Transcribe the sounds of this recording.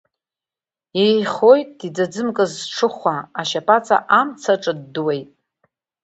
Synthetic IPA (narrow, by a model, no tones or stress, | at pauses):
ejχojtʼːid͡zad͡zɨmkʼɨzʈ͡ʂʰɨχʷaaʃapʼat͡sʼa̰ʔamt͡sʰaʈ͡ʂʼɨdːwe̞jtʼ